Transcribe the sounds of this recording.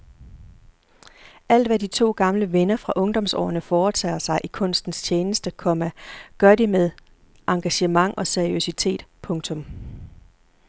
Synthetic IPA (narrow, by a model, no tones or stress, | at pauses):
ʔæl̰d̥ʋædit͡sʰo̝̰ːɡ̥ɑ̈mləʋenɐfʁɑ̈ʔɔ̽ŋd̥ɒ̽msɒ̰ːɐnəfɒːt͡sʰɛ̰ːsɑ̈ɪʔikʰɔ̽n̰sd̥n̩st͡ɕʰeːnəsd̥əkʰɒ̽mæɡ̥ɶɐdimeðˠ | ʔɑ̈ŋɡ̥æɕəmɑ̈ŋʔɒ̽seɐiøsit͡sʰe̝̰ːd̥pʰɔ̽ŋt͡sʰɔ̽m